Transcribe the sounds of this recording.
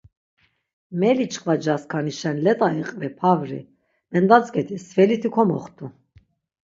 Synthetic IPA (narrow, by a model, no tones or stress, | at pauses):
mɛlit͡ʃʰʼkʼvad͡ʒaskʰaniʃɛnlɛt̪ʼaɛqʼvɛpʰavɾḭ | mɛnd̪at͡sʼkɛt̪ʰisvɛlit̪ʰikʰɔmɔχt̪ʼu